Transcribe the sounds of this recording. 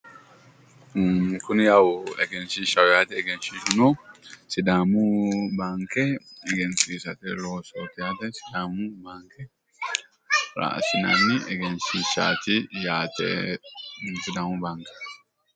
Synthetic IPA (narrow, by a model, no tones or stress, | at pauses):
kʊnjawʊɛɡɛnsiʃɐwjaːt̪ɛɛɡɛnsiːʃʊnosɪd̪aːmʊbaːŋkɛɛɡɛnsiːsɐt̪ɛloːsoːt̪ɪjaːt̪ɛsɪd̪aːmʊbaːŋkɛ | ɾa̰ːsɪnanɪʔɛɡɛnsiʃa̰ːt̪ɪjaːt̪ɛ̰ | sɪd̪aːmʊbaːŋkɛ̥